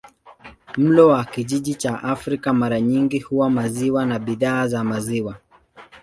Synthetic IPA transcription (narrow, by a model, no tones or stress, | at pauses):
m̩lɔwakiʄiʄit͡ʃaʔafɾikamaɾaɲiŋɡihuwamaziwanaɓiðaːzamaziwa